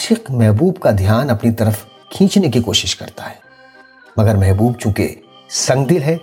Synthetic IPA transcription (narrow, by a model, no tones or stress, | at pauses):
ʃɪqmɛɦbuːbkad̪ʱjaːnɐpnit̪ɐɾəf | kʰĩːt͡ʃnek̬ikoːʃɪʃkɐ̰ɾt̪aɦɛː | mɐɡəɾmɛɦbuːb̚t͡ʃũːkḛ | sɐ̃ŋɡd̪ɪlɦɛː